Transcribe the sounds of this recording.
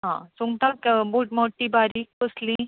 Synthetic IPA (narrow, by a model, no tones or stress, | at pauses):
ɦãsuŋɡt̪akbuʈmɔʈːibaɾik̚koslĩ